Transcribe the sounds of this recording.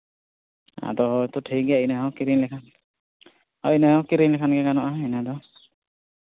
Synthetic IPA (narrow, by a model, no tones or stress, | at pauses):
a̰d̪ɔɦɔt̪ɔʈʰiɡainaɦakiɾiŋlɛkʰan | ainahɔkiɾiŋlɛkʰanɡɛkanɔʔaɛnad̪ɔ